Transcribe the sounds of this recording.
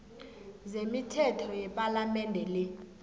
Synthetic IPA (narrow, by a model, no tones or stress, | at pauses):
zemitʰɛtʰɔjɛpʼalamɛndʱɛlɛ